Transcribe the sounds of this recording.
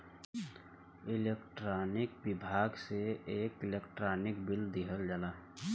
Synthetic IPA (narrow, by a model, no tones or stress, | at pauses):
ɪleːkʈɾaːnɪkbɪbʱaːɡseeːkɪlekʈɾaːnɪkbɪld̪iɦəld͡ʒalaː